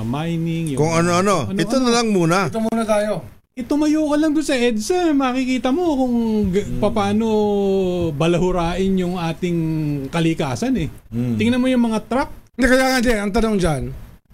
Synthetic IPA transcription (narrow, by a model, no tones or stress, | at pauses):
ɐmajnɪŋjʊkʊŋɐnoɐno̞ɐʔɛonɐlɐŋmuːnat̪omuːnɐt̪aːjo̞ | ʔɪt̪omɐjoːkɐlɐŋd̪ʊnsɐʔɛd̪sɐmɐaːkɪkiːt̪ɐmo̞kʊŋpɐpaːno̞ | bɐlɐɦʊɾaːʔɪnjʊŋʔaːt̪ɪŋkɐlɪkaːsɐnɛt̪ɪŋnɐmojʊŋmɐŋat̪ɾak̚nd̪ɛkɐjaːŋɐnd̪ɛnɐŋt̪ɐnoŋd͡ʒan